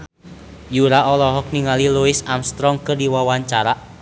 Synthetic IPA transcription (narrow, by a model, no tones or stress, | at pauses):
juɾaʔɔlɔɦɔk̚niŋaliluisamst̪ɾɔŋkɨrdiwawaɲt͡ʃaɾa